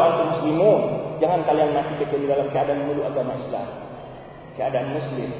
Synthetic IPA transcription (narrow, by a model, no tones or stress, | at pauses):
lant̪umuslimund͡ʒaŋankaliaŋnak̪it̪ək̪udidalamkəadaanməluʔaɡamaisla̰m | kəadaanmuslɪm